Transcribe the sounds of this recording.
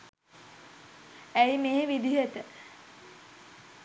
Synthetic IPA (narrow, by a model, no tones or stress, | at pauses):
æjmeːʋid̪iɦət̪ə